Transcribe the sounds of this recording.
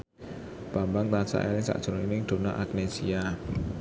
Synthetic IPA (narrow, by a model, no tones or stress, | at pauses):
b̥ambaŋt̪asa̰ʔɛ̰ɾɪŋsa̰ʔd̥ʒ̥o̤ɾŋinɪŋd̪̥o̤naʔak̚nesia